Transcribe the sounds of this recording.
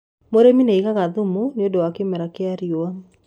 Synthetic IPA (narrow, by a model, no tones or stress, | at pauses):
moɾemineiɣaɣaðumuneodowakemɛɾakeaɾjoa